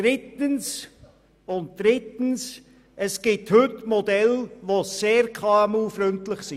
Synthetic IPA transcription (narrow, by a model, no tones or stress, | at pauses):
d̥ɾɪtəns | ʊnt̚d̥ɾɪtəns | ʔəsɡ̥ɪthʏtmodɛlʋoseːɾkʰɑɛmuːfɾʏntlɪχsi